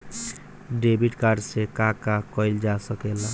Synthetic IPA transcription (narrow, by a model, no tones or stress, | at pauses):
ɖebiʈkaɖsekakakɔɪld͡ʒasəkela